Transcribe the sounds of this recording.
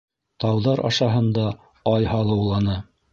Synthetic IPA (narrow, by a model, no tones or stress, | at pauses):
t̪ɑwðɑɾʔɑ̰ʃɑɦɤ̆nd̪ɑ | ɑjhɑlˠɤ̆wlˠɑnɤ